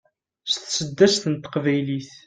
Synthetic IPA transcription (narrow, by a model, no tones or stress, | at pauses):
st̪səd̪ːæst̪ənt̪ə̥qvæjliθ